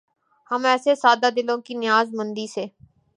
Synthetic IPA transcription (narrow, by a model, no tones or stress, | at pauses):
həmɛːsesaːd̪aːd̪ɪlõːkinɪjaːzmə̃nd̪iːseː